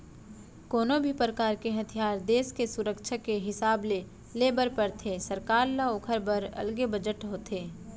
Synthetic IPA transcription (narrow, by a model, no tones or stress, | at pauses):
koːnobʱipɾəkaːɾkeɦɐt̪ʰijaːɾd̪eːskesʊɾəkʃʰakeɦɪsaːble | leːbəɾpəɾt̪ʰeːsəɾkaːɾlaokʰəɾbəɾɐ̰lɡebəd͡ʒəʈɦoːt̪ʰeː